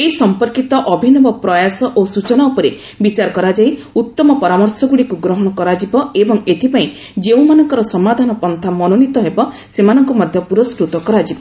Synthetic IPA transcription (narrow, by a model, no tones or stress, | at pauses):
esɔmpɔɾkit̪ɔʔɔbʱinɔbɔpɾɔjasɔʔosut͡ʃɔnaupɔɾe | bit͡ʃaɾɔkɔɾad͡ʒaiut̪ːɔmɔpɔɾamɔɾsɔɡuɽikuɡɾɔɦɔɽ̃ɔkɔɾad͡ʒibɔebɔŋet̪ʰipaĩ | d͡ʒeũmanɔŋkɔɾɔsɔmad̪ʱanɔpɔnt̪ʰamɔnonit̪ɔɦebɔ | semanɔŋkɔmɔd̪ʱjɔpuɾɔskɾut̪ɔkɔɾad͡ʒibɔ